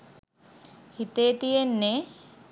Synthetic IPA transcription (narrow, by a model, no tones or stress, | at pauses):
hit̪eːt̪ijenːe